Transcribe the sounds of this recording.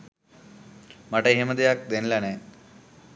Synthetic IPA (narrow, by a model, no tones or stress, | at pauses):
mɐʈeɦemɐd̪ejak̚d̪enlane